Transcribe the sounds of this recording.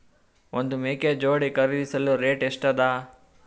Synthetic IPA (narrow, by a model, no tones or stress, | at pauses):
ond̪umeːked͡ʒoːɽikɐɾid̪isɐluɾeːʈeʂʈɐd̪aː